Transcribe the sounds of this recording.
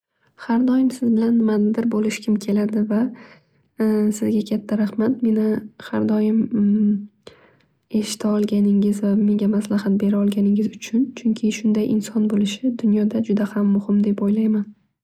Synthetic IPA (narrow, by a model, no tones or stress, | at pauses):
haɾd̪ɒjɪmsɪzbɪlanːɪmanɪd̪ɪɾbolɪʃkʲʰɪmkʲʰe̞lad̪ɪva | sɪzɡʲakʲʰat̪ʰːaɾahmat̪̚me̞nɪhaɾd̪ɒjɪm | e̞ʃɪ̥t̪ʰaɒlˠɡʲanɪŋɪzvame̞ŋɡʲamaslahat̪̚be̞ɾaɒlˠɡʲanɪŋʲɪzʊt͡ʃʰʊnt͡ʃʰʊŋkʲʰɪʃʊnd̪ajʔɪ̰nsɒnbolɪʃɪd̪ʊnjɒd̪ad͡ʒʊd̪ahamːʊhɪmd̪e̞pojlajman